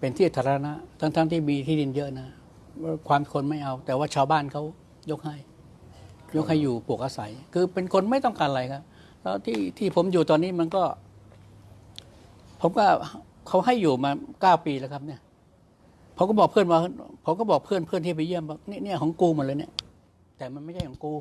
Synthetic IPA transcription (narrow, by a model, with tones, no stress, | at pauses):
pe˧nt̪ʰiː˥˩t̪ʰaː˨˦˥ɾa˧na˦˥ʔt̪ʰaː˦˧˩ŋt̪ʰaː˦˥ŋt̪ʰiː˥˩miː˧t̪ʰiː˥˩di˧njɤ˦˥ʔna˦˧˥ | kʰwaː˧mkʰo˧nma˥˩jʔa˧wt̪ɛː˨˩waː˥˩t͡ɕʰaː˧wbaː˥˩nkʰa˦˥w | jo˦˥k̚ha˥˩j | jo˦˥k̚ha˥˩jːuː˨˩pu˨˩ək̚ʔaː˧sa˨˩˦jkʰɯː˧pe˧nkʰo˧nma˥˩jt̪ɔ˥˩ŋkaː˧nɾa˧jkʰa˦˥p̚ | lɛ˦˥wt̪ʰiː˥˩t̪ʰiː˥˩pʰo˩˦mjuː˨˩t̪ɔː˧nːiː˦˥ma˧nkɔː˥˩ | pʰo˩˦mkɔː˥˩ | kʰa˦˥wɦa˥˩jːuː˨˩maː˧kaː˥˩wpiː˧lɛ˧˦˥kʰa˦˥p̚ni˥˩ə | pʰo˨˩˦kɔ˥˩bɔː˨˩kpʰɯ˥˩ənwaː˧hpʰo˨˦mkɔː˥˩bɔː˨˩k̚pʰɯ˥˩ənpʰɯ˥˩ənt̪ʰiː˥˩p̬a˧jɯ˥˩əmba˧˩ni˦˥˨ni˥˩kʰɔː˩˦ŋkuː˧mu˧˩˦nlɤː˧ni˥˩ | t̪ɛː˨˩ma˧nma˥˩jdʰa˥˩kʰɔ˩˦kuː˧